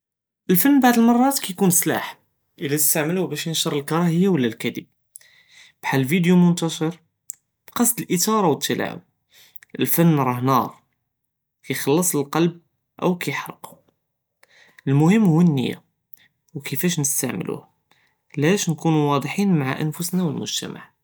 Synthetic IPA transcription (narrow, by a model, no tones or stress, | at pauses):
ʔəlfənːbaʕd̪əlmɑrˤːɑt̪kæjkunsla̰ħ | ʔəlæt̪əst̪aʕməluhbæʃjənʃɑɾˤəlkɑɾˤɑhəjːawəlːælkæd̪ḭb̚ | b̥ħallvid̪jumʊnt̪ɑʃəɾ | b̥qɑsˤd̪əlʔət̪ɑɾˤɑwət̪ːəla̰ʕṵ | ʔəlfənːɾˤɑhnɑɾˤ | kæjxɑlːɑsˤəlqɑlb̚ | ʔə̰wkæjħɑɾˤqu | əlmʊhəmːhuwənːə̰jːa̰ | wkəfæʃnəst̪aʕmə̰lṵh | læʃnkunuwɑd̪ˤħinmaʕa̰ʔə̰nfʊsnæwəlmʊ̰ʒt̪æ̰ma̰ʕ